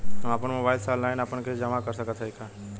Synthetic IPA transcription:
əmaːpənmobaːɪlsalaːɪnaːpənkʰed͡ʒəmakəɾsəkət̪ʰəikʰa

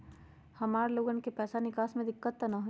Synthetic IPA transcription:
hɐmaːɾloːɡənkepɛːsanɪkaːsmẽd̪ɪkːət̪ːnɐɦo

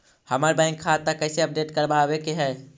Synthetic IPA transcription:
həməɾbãɪŋkʰːat̪ːakəɪseəp̚ɖeːʈkəɾbabekeɦɛ

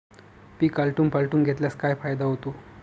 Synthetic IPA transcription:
piːkalʈuːnpalʈuːnɡʱet̪ljaskajfajd̪aɦot̪o

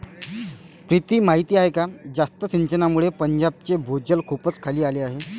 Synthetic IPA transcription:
pɾit̪iːmaɦit̪iːaɦekad͡zast̪əsiɲt͡ɕənamuɭepəɲd͡ʑab̚t͡sebʱod͡ʑəlkʰupət͡skʰaliːaleaɦe

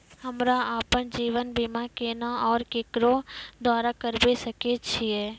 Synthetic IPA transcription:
həmɾaaːpənd͡ʒiːʋənbimãkeːnaɔːɾkeːkɾõd̪waːɾakəɾbesəket͡ʃʰiɛː

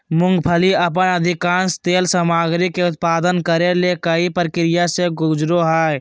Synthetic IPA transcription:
mʊ̃ŋɡpʰəliəp̬ənəd̪ʱɪkãːnst̪eːlsəmaːɡɾikeʊt̪̚paːd̪ənkəɾelekəipɾkɾɪjaseɡʊd͡ʒɾoɦaːe

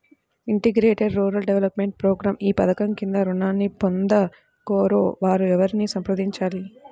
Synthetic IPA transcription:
iɳʈiɡɾeːʈɐɾɾuːɾɐlɖeʋelɐpme̞ɳʈ̚pɾoːɡɾaːmiːpɐd̪ɐkɐmkind̪ɐɾunaːnːipond̪ɐ | koːɾoːʋaːɾuɛʋɐɾinisɐmpɾɐd̪iɲt͡ʃaːli

